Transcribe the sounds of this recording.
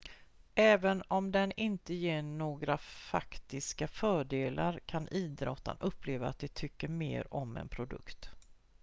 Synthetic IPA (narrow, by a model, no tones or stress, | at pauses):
ɛːvənɔmd̪ɛnɪnt̪əjeːɳoːɡɾafakt̪ɪskafœːɖeːlʔaɾkʰanʔiːd̪ɾɔt̪ːa̰nʔɵpːleːvaːt̪̚d̪ɛt̪ʰʏkːəɾmḛːɾɔmɛ̰npʰɾʊd̪ɵ̰kt̪